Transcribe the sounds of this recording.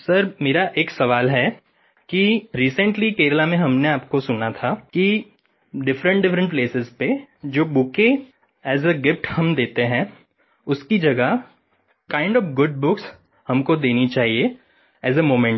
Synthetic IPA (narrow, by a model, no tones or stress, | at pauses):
sɐɾmeːɾaʔeːksɐʋaːlɦɛ | kiɾiːsə̃ɳʈlikeːɾəlamẽɦɐmneaːpkosʊnat̪ʰaki | ɖɪfɾə̃ɳʈ̚ɖɪfɾə̃ɳʈpleːsɪzped͡ʒoːbʊke | ɛːzəɡɪfʈhɐ̃md̪eːt̪eɦɛ̃ | ʊskid͡ʒɐɡəɦ | kãːɪ̃ɳɖɔːfɡʊɖ̚bʊks | hɐmkod̪eːnit͡ʃaːɦie | ɛːzəmoːmɛ̃ɳʈ